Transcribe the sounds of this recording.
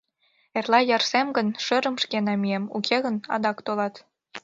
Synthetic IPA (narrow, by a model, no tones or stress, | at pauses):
erlɑjɑrsemɡənʃøɾə̆mʃkenɑmiemṵkʰeɣənɑ̰d̪ɑkt̪olɑt̪